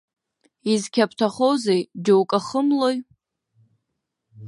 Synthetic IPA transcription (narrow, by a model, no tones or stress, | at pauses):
izkʲʰapʰtʰaχowzejd͡ʒowkʼaχəmloj